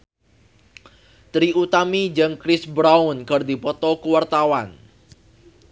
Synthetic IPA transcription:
t̪ɾiut̪amid͡ʒɨŋkɾɪsbɾaʊnkɨrdipɔt̪ɔkuwart̪awan

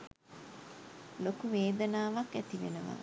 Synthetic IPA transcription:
lokuʋeːd̪ənaːʋakæt̪iʋenəʋa̰ː

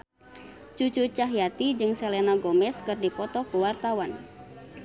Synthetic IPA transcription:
t͡ʃut͡ʃut͡ʃaɦjat̪id͡ʒɨŋselenaɡomɛskɨrdipɔt̪ɔkuwart̪awan

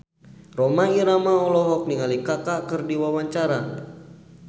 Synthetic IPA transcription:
rɔmaiɾamaɔlɔɦɔk̚niŋalikakakɨrdiwawaɲt͡ʃaɾa

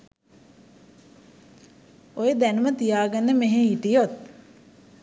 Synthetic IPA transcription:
ojed̪ænəmət̪ijaːɡənːəmeɦeiʈijot̪̚

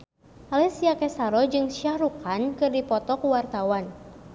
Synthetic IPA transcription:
alɛsiakɛsaɾɔd͡ʒɨŋsiahɾukʰankɨrdipɔt̪ɔkuwart̪awan

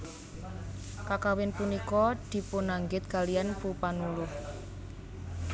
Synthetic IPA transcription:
kakawɪnpunikɔd̪̥i̤pʊnaŋɡɪt̪̚ɡ̥a̤lianpupanulʊh

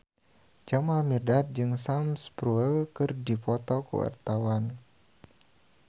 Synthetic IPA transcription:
d͡ʒamalmirdat̪̚d͡ʒɨŋsamspɾuɛlkɨrdipɔt̪ɔkṵwa̰rt̪awan

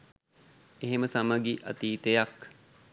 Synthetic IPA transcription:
eɦeməsaməɡiʔɐ̰t̪iːt̪ejak

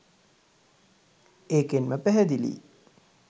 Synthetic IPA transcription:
eːkenməpæɦɛd̪ilḭː

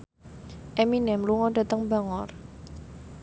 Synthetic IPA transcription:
ʔɛminɛmluŋɔɖa̤t̪əŋbaŋɔr

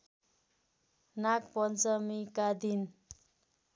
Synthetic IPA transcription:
nakpʌnd͡zʌmikad̪in

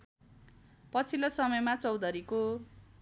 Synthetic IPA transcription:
pʌt͡sʰilosʌmʌjmat͡sʌwd̪ʌɾiko

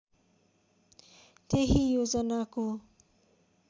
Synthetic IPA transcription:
t̪eɦijod͡zʌnako

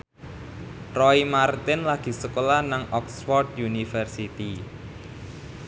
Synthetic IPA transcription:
rɔimart̪ɪnlaɡ̥i̤səkolanaŋʔɔksfɔrd̪junifərsit̪i

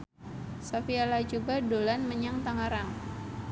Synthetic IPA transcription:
safialat͡ʃubadolanməɲaŋt̪aŋaɾaŋ

